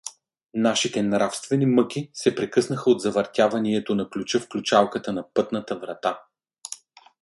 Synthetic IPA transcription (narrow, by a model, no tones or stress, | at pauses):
naʃit̪ɛnɾafst̪vɛnimɤk̟isɛpɾɛkɤsnəxəod̪zɐvɐɾt̪ʲavɐniɛt̪onɐklʲut͡ʃɤfklʲut͡ʃalˠkət̪ənɐpɤt̪nət̪əvɾɐt̪a